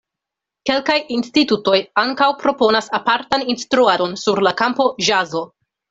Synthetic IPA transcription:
ke̞lkajinstituto̞jaŋkawpɾo̞po̞nasapaɾtaninstɾuado̞nsuɾlakampo̞ʒazo̞

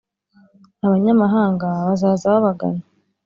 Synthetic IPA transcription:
aβaɲamaɦaːŋɡaβazaːzaβaβaɡa̰na

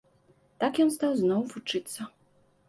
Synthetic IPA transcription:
t̪akjɔnst̪awznɔwvut͡ʂɨt̪sːɐ

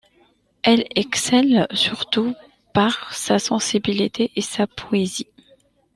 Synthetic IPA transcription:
ɛlɛksɛlsyʁt̪u | paʁsasɑ̃sibilit̪ʰeʔesapʰɔezi

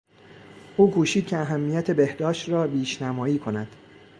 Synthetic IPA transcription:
ʔuːkʰuːʃiːd̪̥̚cʰeæɦæmːijæt̪ʰe̞be̞hd̪ɒːʃt̪ɾɒːbiːʃnæmɒːiːkʰo̞næd̪̥

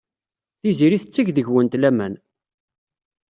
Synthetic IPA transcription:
θiziɾiθət͡sːiʝðəʝwənt̪læmæn

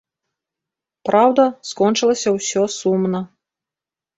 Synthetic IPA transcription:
pɾawd̪ɐskɔnt͡ʂɨlˠɐsʲɐwsʲɔsumnɐ

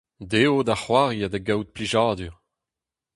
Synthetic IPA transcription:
d̪eod̪aχwaʁjad̪aɡawt̪̚pliʒaːdyʁ

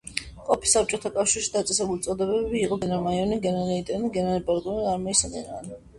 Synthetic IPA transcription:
qʼɔpʰi̥sap̚t͡ʃʼɔt̪ʰakʼafʃiɾʃid̪at̪sʼɛsɛbult̪sʼɔd̪ɛβɛbɛbiːqʼɔɡɛnaɾmajɔniɡɛnɛɾɛit̪ʼɛniɡɛnaɾipʼaɾk̪ʼɔniaɾmɔisad̪ɛna̰n

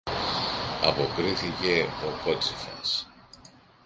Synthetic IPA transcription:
ɐpo̞kɾiθice̞o̞ko̞t͡sifɐ̰s

